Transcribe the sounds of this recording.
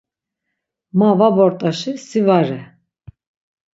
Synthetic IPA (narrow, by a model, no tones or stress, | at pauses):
mavabɔɾt̪ʼaʃisivaɾɛ